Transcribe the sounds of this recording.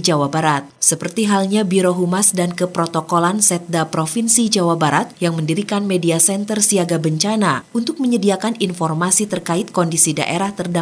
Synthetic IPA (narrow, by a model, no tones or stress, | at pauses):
d͡ʒawabaɾat̪̚səpərt̪iɦalɲabiɾoɦumasdankəpɾot̪okolansɛt̪̚dapɾofinsid͡ʒawabaɾat̪̚jaŋməndiɾikanmediasɛnt̪ərsiaɡabəɲt͡ʃanaunt̪ʊk̚məɲədiakaninfɔrmasit̪ərkaɪt̪̚kɔndisida̰ʔeɾaht̪ərda